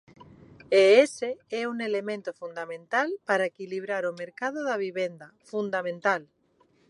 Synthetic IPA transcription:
eeseɛuŋelemẽnt̪ofund̪amẽnt̪alpaɾaekiliβ̞ɾaɾomeɾkað̞oðaβ̞iβend̪afund̪amẽnt̪al

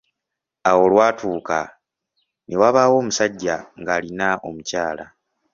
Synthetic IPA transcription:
awo̞lwaːtuːka | newaβaːwo̞ːmusaɟːaŋɡaːlinaʔo̞̰mucaːla

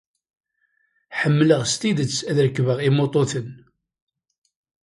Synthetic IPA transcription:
ħəmːləʁst̪id̪ət͡sːæðɾəkːvəʁimot̪ˤoθən

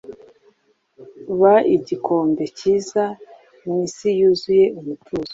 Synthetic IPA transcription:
βaiɟikʰoːmbe̞ciːza | misijuzuje̞uβutuːzo

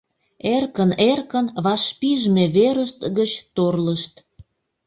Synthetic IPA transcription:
erkənerkənβɑʃpiʒmeβeɾəʃt̪ɣət͡ɕt̪orləʃt̪

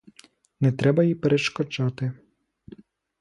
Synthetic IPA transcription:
nɛt̪ɾɛbɐjipeɾeʃkɔt͡ʃɑt̪ɪ

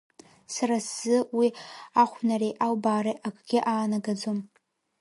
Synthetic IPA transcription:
saɾasz̥ɨwiaχʷnarejʔalbaːɾeʔakʰʼɡʲɪʔaːnaɡad͡zom

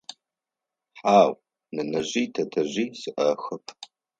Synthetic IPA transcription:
ħaːw | nɐnɐʑiːtʰɐtʰɐʑiːsɨʔɐxɨpʰ

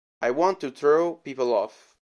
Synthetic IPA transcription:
ʔajwɑ̃ntuθɹoʊpipəl̩ˠɔ̰f

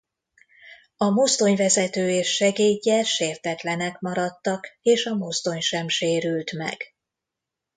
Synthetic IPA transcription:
ɒmost̪o̞ɲvɛzɛt̪øːeːʃːɛɡeːɟːɛʃeːrt̪ɛt̪lɛnɛkmɒɾɒt̪ːɒkeːʃɒmost̪o̞ɲʃɛmʃeːɾylt̪mɛ̰ɡ̥

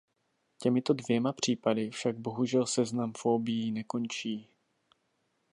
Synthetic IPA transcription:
cɛmɪt̪o̞dvjɛmapr̝̥iːpadɪfʃaɡ̚bo̞ɦuʒɛlsɛznamfo̞ːbɪjinɛko̞nt͡ʃiː

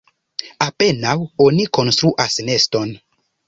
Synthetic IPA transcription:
ape̞nawo̞niko̞nstɾuʔasne̞sto̞n

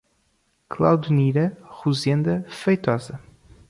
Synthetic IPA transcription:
klˠa̰wðuniɾɐʁuzẽnd̪ɐfɐjt̪ɔzɐ

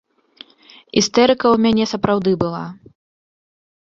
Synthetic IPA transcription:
ist̪ɛɾɨkɐumʲanʲɛsɐpɾawd̪ɨbɨlˠa̰

